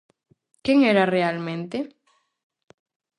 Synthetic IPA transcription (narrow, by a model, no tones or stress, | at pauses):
keŋɛɾarealmẽnt̪ɪ